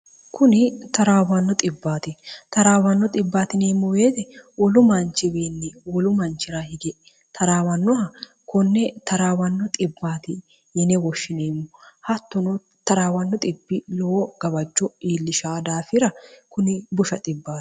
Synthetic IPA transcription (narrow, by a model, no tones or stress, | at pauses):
kʰʊnɪt̪ɐɾaːwɐnːɔt̪ʼɪbːaːt̪ɪt̪ɐɾaːwɐnːɔt̪ʼɪbːaːt̪ɪne̞ːmːʊweːt̪ɛwɔlʊmɐnt͡ʃɪweːnːɛwɔlʊmɐnt͡ʃɪɾahɪɡɛ | t̪ʰɐɾaːwɐnːɔhɐ | kɔnːɛt̪ɐɾaːwɐnːɔt̪ʼɪbːaːt̪ɪ | jɛnɛwɔʃːɪneːmːɔhɐt̪ːɔnɔ | t̪ɐɾaːwɐnːɔt̪ʼɪbːɪlɔɡ̥ɐbɐd͡ʒːɔiːlːɪʃaːd̪aːfɪɾɐkʊnɪbʊʃɐt̪ʼɪbːḁː